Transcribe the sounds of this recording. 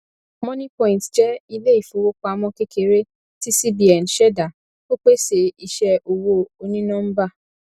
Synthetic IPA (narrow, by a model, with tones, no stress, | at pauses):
mɔ̃˦nĩ˦pɔ̃˦ĩ˨ntd͡ʒɛ˦i˧le˦i˦˨fo˨wo˦k͡pa˧mɔ̃˦ke˦ke˨ɾe˦ | ti˦si˦bi˨a˨n̩˨ʃɛ˦da˨ | o˦k͡pe˦se˨i˨ʃɛ˧ʔo˨wo˧o˧nĩ˦nã˦m̩˦ba˦˨